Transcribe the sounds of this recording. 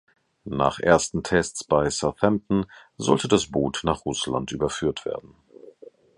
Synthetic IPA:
na̰ːχʔeːɐstn̩tʰɛst͡sb̥aɪsaθɛmtn̩zɔ̰ltədasb̥uːtnaːχʁʊsla̰ntʔyːbɐfyːɐtv̥ḛːɐdn̩

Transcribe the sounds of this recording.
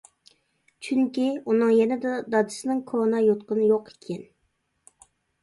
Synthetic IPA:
t͡ʃʰyŋkʲiunɨŋjɛnɛd̪d̪ɑd̪ɨsɪnɨŋkʰonɑjot̪̚qənɨjoqʰe̥kʲʰɛn

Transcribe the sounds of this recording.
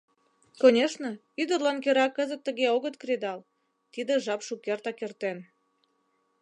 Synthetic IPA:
konʲeʃnə̆ | yd̪ərlɑnkøɾɑkːəzət̪ːəɣeoɣət̪̚kɾʲed̪ɑl | t̪id̪eʒɑpʃukert̪ɑkert̪en

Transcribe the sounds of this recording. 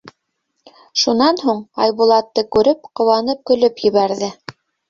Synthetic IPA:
ʃunɑnɦuɴɑjβulˠɑt̪ːɤkʉɾɘp̚qŏwɑnɤp̚kɵ̆lɵpjɘ̆βæɾðɘ

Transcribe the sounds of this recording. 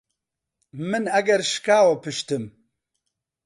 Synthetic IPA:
mɨnɐɡɛɾʃkaːwɐpɨʃt̪ɨm

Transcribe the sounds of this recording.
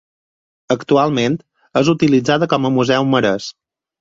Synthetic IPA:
əkt̪ualˠment̪ | əzut̪ilid͡zaðəkɔməmuzɛwməɾəs

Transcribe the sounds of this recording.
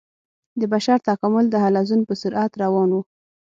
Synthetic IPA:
d̪əbaʃaɾt̪akamʊld̪əɦalazunpəsʊɾʔat̪ɾawɑnwu

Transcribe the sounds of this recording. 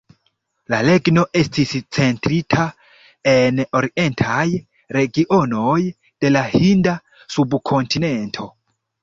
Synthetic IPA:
lale̞ɡno̞ʔe̞stist͡se̞ntɾitʰa | eno̞ɾiʔe̞ntʰaj | ɾe̞ɡiʔo̞no̞j | d̥e̞lahinda | subkʰo̞ntʰine̞ntʰo̞

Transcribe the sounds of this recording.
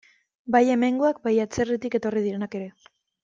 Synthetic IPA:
baje̞me̞ŋɡoak̚bajat͡se̞rit̪ike̞t̪o̞riðiɾe̞nake̞ɾe̞

